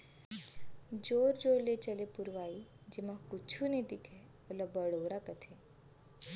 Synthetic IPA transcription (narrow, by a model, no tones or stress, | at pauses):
d͡ʒoːɾd͡ʒolet͡ʃəlepuɾʋaːid͡ʒemãkʊt͡ʃʰuned̪ikʰe | oləbəɽoːɾakət̪ʰe